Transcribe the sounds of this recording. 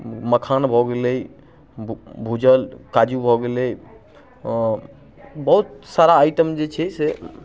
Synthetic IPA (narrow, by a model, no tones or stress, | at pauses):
məkʰanbʱɔɡeləi | bʱud͡ʒəlkad͡ʒubʱɔɡelɛj | bəɦut̪̚saɾaːjʈəmd͡ʒet͡ʃʰɛse